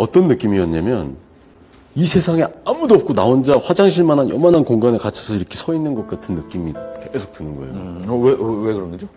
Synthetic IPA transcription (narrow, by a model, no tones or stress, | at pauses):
ʌt͈ʌnːɯk͈imijʌɲːamjʌn | isʰe̞sʰaŋeamudoʌp̚k͈onaond͡ʑaɸwad͡ʑaŋɕ̬ʰiɭmanɦanjʌmanɦankoŋɡanɯɭkat͡ɕʰʌ̥sʰʌiɾʌkʰe̞sʰʌinːɯnɡʌk͈̚atʰɯnːɯk͈imikesʰok̚t͈ɯnɯnɡʌejoʌwewekɯɾʌnɡed͡ʑo